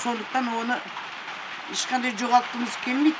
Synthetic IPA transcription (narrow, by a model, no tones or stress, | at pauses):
so̞nd̪əq̚t̪ɑnwo̞nə | eʃqʰɑnd̪ɑjd͡ʒoʁɑlˠt̪əməz̥kʲʰe̞lmejt̪